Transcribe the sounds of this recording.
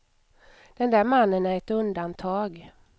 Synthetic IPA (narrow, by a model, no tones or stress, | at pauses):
d̪̥ɛnd̪æːɾmanːənæɾɛt̪ɵnd̪ant̪ʰɑːɡ